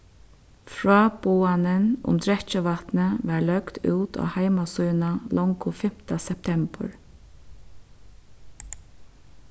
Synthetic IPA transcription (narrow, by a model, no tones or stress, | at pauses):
fɹɑːboːanənʊ̰mt̪ʰɹɛt͡ʃəʋat̪nəʋaɹlœɡd̪ʉ̰ːt̪ʰo̰ːhaɪmasuʏnalɔŋkʊfɪm̥t̪asɛp̚t̪ʰɛmpə̰ɹ